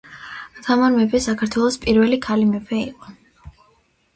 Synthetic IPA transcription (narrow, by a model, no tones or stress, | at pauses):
at̪ʰamaɾmɛbɛsakʰaɾt̪ʰwɛlˠɔspʼiɾvɛlikʰalimɛpʰɛiqʼɔ